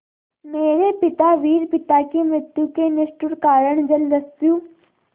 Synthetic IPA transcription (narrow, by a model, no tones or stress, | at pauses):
meːɾepɪt̪aʋiːɾpɪt̪akemɾɪt̪jukenɪʃʈʊɾkaːɾəɳ̃d͡ʒəld̪əsjuː